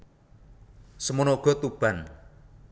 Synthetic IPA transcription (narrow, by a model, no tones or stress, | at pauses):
səmunoɡ̥ɔ̤t̪ub̥a̤n